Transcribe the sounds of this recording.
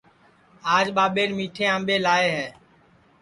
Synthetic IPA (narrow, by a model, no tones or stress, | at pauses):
aːd͡ʒɓaːɓeːɾmiːʈʰẽːãːmɓeːlaːeːɦɛː